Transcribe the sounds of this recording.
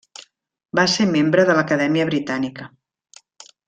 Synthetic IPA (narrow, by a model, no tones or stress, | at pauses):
basemembɾəðələkəðɛmiəβɾit̪anikə